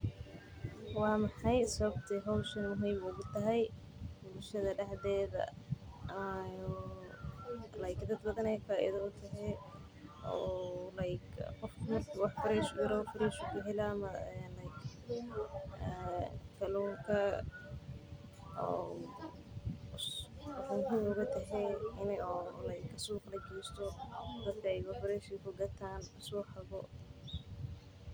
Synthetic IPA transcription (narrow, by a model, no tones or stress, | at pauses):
wɑːmɑħɑjsɐβɐbt̪ʰɛɦɔwʃɐnmʊɦiːmʊɣʊt̪ʰɐɦɛj | bʊlʃɐðɐɖɛħðɛːðɐ̰ | lɐjkd̪ɐd̪̚bɐðɐnɛjfaːʔɪ̰ðɐʊt̪ʰɐɦɛ | ʔɔːlɐjkqɔfmɐkwɑħfɪɾɛːʃʊjɪɾɔfɪɾɛːʃʊɡʊɦɛlɐmɐɛnɐjk | kʰɐlɔːŋkʰɐ | ɔː | ħʊmɦʊmʊɣɐt̪ʰɐɦɛɪnɔlɐjkʰɐsuːqlɐkɛːst̪ʰɔd̪ɐd̪kʰɐɛjwɑħbɐɾɛːʃɪkʰʊɡɐt̪ʰaːnʊsɔːħaɣɔ